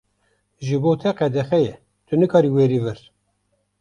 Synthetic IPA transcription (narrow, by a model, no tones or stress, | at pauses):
ʒɨboːt̪ʰɛqɛd̪ɛxɛjɛ | t̪ʰɨnɨkʰɑːɾiːweːɾiːvɨɾ